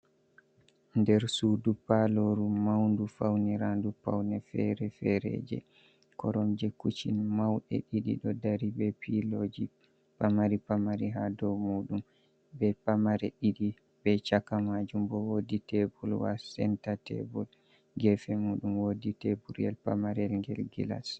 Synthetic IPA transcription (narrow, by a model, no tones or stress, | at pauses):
ndɛɾsudupaloɾumawndufawniɾandupa̰wnɛfɛ̰ɾɛfɛɾɛ̰d͡ʒɛ̰ | kɔɾɔmd͡ʒɛkːut͡ʃinmawɗɛ̰ɗiɗḭɗɔdaɾibɛpilod͡ʒi | pamaɾipamaɾiɦadɔmuːɗum | bɛpamaɾɛɗiɗi | bɛt͡ʃakamad͡ʒumbɔwoditɛbulwa̰sɛntatɛ̰bul | ɡɛfɛmuːɗumwoditɛbuɾiɛlpamaɾɛlŋɡɛ̰lɡila̰s